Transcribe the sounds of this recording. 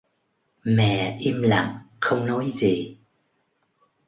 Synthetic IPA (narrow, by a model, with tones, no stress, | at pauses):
mɛ̰˧˨ʔi˧mla̰˨˩˨ŋ | xə˧wŋ͡mnɔ˨˦jzi˨˩